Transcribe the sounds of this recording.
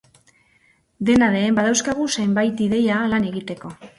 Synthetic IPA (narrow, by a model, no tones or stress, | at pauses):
d̪e̞naðe̞ːmbaðawskaɣ̞usajmbajt̪iðe̞jalane̞ɣit̪e̞ko̞